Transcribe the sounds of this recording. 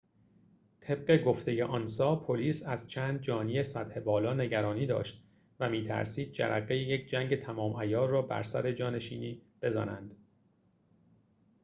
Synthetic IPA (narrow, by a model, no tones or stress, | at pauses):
t̪ʰe̞b̥̚ɢe̞ɡo̞ft̪eje̞ʔɒːnsɒːpʰoliːsæzt͡ʃʰæːnd̪̚d͡ʒɒːniːjesæt̪he̞bɒːlɒːne̞ɟæɾɒːniːd̪ɒ̰ːʃt̪̚ | væmiːt̪ʰæ̰ɾsiːd̪̚d͡ʒæ̰ɾʔæ̰ɣejejecʰd͡ʒæŋɟe̞t̪ʰæmɒːmʔæjɒːɾːɒːbæ̰ɾsæ̰ɾe̞d͡ʒɒːne̞ʃiːniːb̥e̞zɒ̰ːnænd̪̥